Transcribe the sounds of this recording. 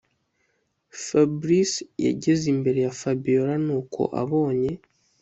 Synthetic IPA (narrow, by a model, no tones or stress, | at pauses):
fabɾisja̰ɟe̞zimbe̞ɾe̞jafabijo̞ɾanuːkʰo̞̰ʔa̰βo̞ːɲe̞